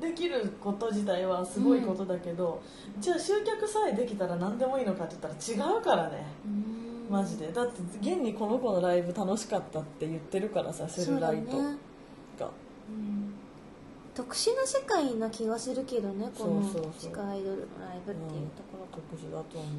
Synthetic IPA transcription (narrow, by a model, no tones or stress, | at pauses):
d̪e̞kʲiɾɯ̟ko̞t̪oʑit̪̬aiβasɨɡo̞iko̞t̪o̞d̪ake̞d̪o̞ | d͡ʑaːɕɨːkʲakɯ̟said̪e̞kʲit̪aɾanãnd̪e̞mo̞iːno̞kat̪ːejɯ̟t̪ːaɾat͡ɕiɡaɯ̟kaɾane̞ɯ̃maʑid̪e̞d̪at̪ːe̞ɡẽ̞ɲ̟ʲːiko̞no̞ko̞no̞ɾaibɯ̟t̪ano̞ɕi̥kat̪ːat̪ːe̞jɯ̟t̪ːe̞ɾɯ̟kaɾʔa̰sasɨɾoɯɾait̪ːo | ɡa̰ | ɯ̟̃ | t̪o̞kɯ̟̥ɕinosekainakʲiɡasɨɾɯ̟ke̞d̪o̞ne̞ksooːsoːsoiːkaid̪oɾɯ̰no̰ɾaibɯ̟ɯ̃ed̪akaɾat̪okɯ̟ʑid̪at̪om